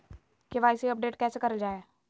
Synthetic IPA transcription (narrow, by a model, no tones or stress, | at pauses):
keʋaːɪsiəp̚ɖeːʈkɛːseːkɐɾld͡ʒaːeː